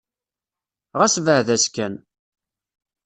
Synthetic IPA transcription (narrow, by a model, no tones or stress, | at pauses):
ʁæsvəʕðæskæn